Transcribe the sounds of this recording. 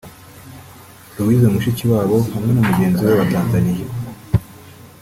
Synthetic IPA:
uwizomuʃiciwaːβo̞hamŋe̞numuɟe̞ːnziweβataːnzanije

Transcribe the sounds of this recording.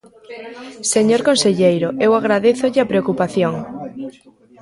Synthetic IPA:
seɲoɾkõnseʎejɾoewaɣ̞ɾaðeθoʎɪapɾeokupaθjoŋ

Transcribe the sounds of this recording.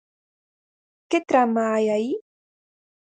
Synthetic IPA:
ket̪ɾamaːjaji

